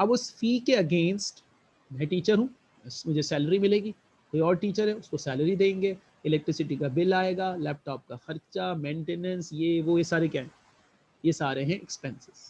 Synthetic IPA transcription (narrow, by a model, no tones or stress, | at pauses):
ɐbʊsfiːkeɐɡẽːnsʈ | mɛ̃ʈiːt͡ʃəɾɦũː | mʊd͡ʒʱesɛːləɾimɪleːɡi | koːiɔːɾʈiːt͡ʃəɾɦɛʊskosɛːləɾid̪ẽːŋɡeː | ɪlɛk̚ʈɾɪsɪʈikabɪlaːeːɡaːlɛːp̚ʈɔːp̚kaxɐɾt͡ʃamẽːɳʈeːnə̃nsjeʋojesaːɾekjaɦɛ̃ | jesaːɾeɦɛ̃ʔɛkspɛ̃nsɪz̥